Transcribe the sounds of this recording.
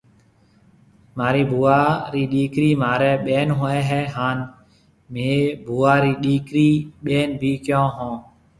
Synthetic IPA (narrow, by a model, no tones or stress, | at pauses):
maːɾiːbʱuːaːɾiːɗiːkɾiːmaːɾɛːɓeːnɦoːɛːɦɛːɦaːn | meːbʱuːaːɾiːɗiːkɾiːɓeːnbʱiːkjõːɦõː